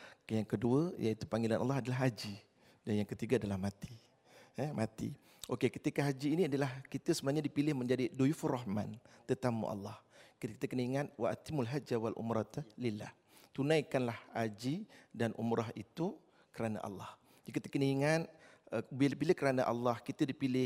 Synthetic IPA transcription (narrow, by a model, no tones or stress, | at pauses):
jaŋkəduəjait̪upaŋɡilanʔa̰lːɑɦadalaɦad͡ʒi | danjaŋkət̪iɡaadalahmat̪i̥ | mat̪ḭ | ʔokekə̥t̪ikaɦad͡ʒiːniadalahkit̪əsəbənaɲadipilɪhməɲd͡ʒadidoifurɔɦma̰nt̪ət̪amṵʔa̰lːɑhkit̪əkənəiŋat̪̚waʔa̰t̪imulɦad͡ʒawalʔṵmɾɑt̪lila̰h | t̪unãjkanlahad͡ʒidanʔṵmɾaɦit̪u | kəɾana̰ʔɑ̰lːɑh | d͡ʒkit̪ə̥kənəiŋat̪̚əbiləpilɪhkəɾanaʔa̰lːɑhkit̪ədipilɪh